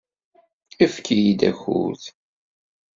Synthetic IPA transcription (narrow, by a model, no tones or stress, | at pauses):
əfkʰijid̪æ̰xṵθ